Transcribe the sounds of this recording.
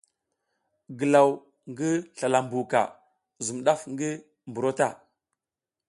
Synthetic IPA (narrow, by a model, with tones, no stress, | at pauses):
ɡə˨la˨w | ŋɡi˦ɬa˨la˨mbu˨ka̰˨ | zu˨mɗa˦fŋɡi˦ | m˨bu˨ɾo˦ta˦˨